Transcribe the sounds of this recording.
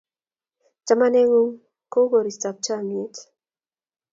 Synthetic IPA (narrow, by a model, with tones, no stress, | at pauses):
t͡ʃa˦ma˦ne˦ŋu˦ŋ | ko˦ɡo˨ɾi˨sta˨k̚t͡ʃa˦˨mi˨e˨t